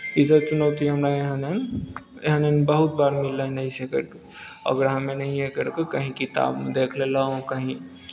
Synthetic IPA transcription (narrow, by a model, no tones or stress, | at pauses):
isəɾ̚t͡ʃunəwt̪iɦəmɾajeɦənen | jeɦənənbəɦut̪̚baɾmilːənəɦĩsekə̰ɾke | ə̰ɡəɾɦəmenəɦĩɦekəɾkekəɦĩkit̪a̰bmed̪ekʰlelaɦõkəɦĩ